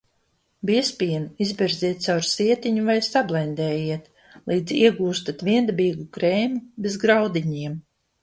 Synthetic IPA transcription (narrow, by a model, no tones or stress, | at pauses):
biɛspʲiɛnizbʲɛɾzʲiɛt̪̚sawɾsʲiɛt̪iɲuvajsablˠɛjnd̪ɛːjiɛt̪ | lˠiːd̪ziɛɡuːst̪at̪vʲiɛnd̪abiːɡukɾeːmubezɡɾawd̪iɲiɛm